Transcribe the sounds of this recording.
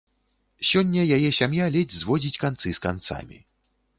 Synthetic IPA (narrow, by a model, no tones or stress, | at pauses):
sʲɔnʲːɐjajɛsʲamjalʲɛd͡zʲzvɔd͡zʲit͡sʲkant̪sɨskant̪sa̰mʲḭ